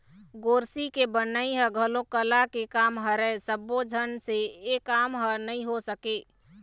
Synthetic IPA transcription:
ɡoɾsikebənəiɦəɡʱəlokəlakekamɦəɾɛsəbod͡ʒʱənseːkamɦənəĩɦosəke

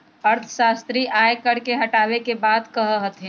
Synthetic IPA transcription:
ɐɾt̪ʰə̥ʃaːst̪ɾiʔaːjkɐɽkeɦɐʈaːʋekebaːd̪kɐɦɦɐt̪ɦɛ̃

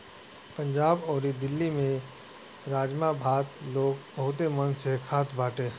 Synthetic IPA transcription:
pə̃ɲd͡ʒaːbɔːɾid̪ɪlːimẽ | ɾaːd͡ʒmabʱaːt̪loːɡbɐɦʊt̪emɐnsekʰaːt̪ʰbaːʈẽː

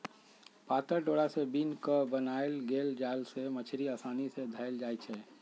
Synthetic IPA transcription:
paːt̪əɾʈoːɽasebinkəbənaːelɡeːld͡ʒaːlsemət͡ʃʰɾiaːsaːnised̪ʱaɪld͡ʒaːjt͡ʃʰɛː

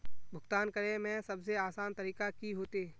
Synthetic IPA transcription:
bʱʊɡt̪aːnkɐɾemɛ̃sɐbs̬eaːsaːnt̪ɐɾiːkakiɦoːt̪eː

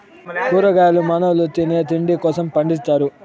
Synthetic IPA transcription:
puːɾɐɡaːjlumɐnɐlut̪ineːt̪iɳɖikɔːsɐmpɐɳɖist̪aːɾu

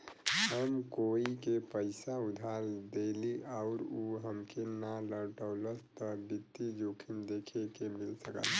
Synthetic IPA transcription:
ɦəmkoikepəɪsaud̪ʱaɾd̪eliʔaʊɾuɦəmkenaləɾʈəʊləst̪əbit̪ːid͡ʒokʰimd̪ekʰekemilsəkə̰l

